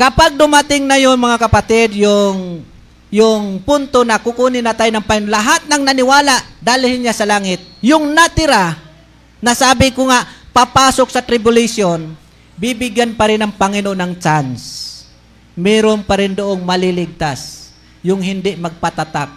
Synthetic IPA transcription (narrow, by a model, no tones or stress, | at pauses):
kɐpaɡ̚d̪ʊmat̪ɪŋnɐjʊŋmɐŋakɐpat̪ɪd̪jʊŋ | jʊŋpʊnt̪onɐkʊkunɪnɐt̪aːjnɐŋpɐŋɪnlaɦat̪̚nɐŋnɐnɪwaːlaʔd̪aːlɪhɪnjasɐlaːŋɪt̪̚jʊŋnɐt̪ɪɾa | nɐsaːbɪkoŋaʔpapaːsok̚sɐt̪ɾɪbʊlɪsjon | bibɪɡjanpɐɾɪnɐŋpɐŋɪnoʔonɐŋt͡ʃans | mɛːɾonpɐɾɪnd̪oʔoŋmɐlilɪɡ̚t̪as | jʊŋɦɪnd̪ɪʔmɐɡ̚pat̪at̪ak̚